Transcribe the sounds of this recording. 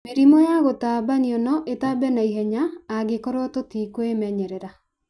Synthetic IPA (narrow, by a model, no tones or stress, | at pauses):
meɾimɔjaɣotabaniɔnɔʔetabɛnaiɦɛɲaːɡekɔɾɔtotikoemɛɲɛɾɛɾa